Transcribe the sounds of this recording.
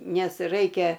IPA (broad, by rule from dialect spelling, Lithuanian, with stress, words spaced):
ˈnʲɛs ˈrɐɪkʲɛ